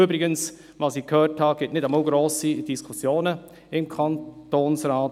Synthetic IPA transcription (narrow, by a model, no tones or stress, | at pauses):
ybɾɪɡəns | ʋɑsikʰhøːrthɑɡ̥ɪtnɪdamɑlɡɾoːsid̥iskʰusjoːnə | ɪmkʰɑntoːnsɾaːt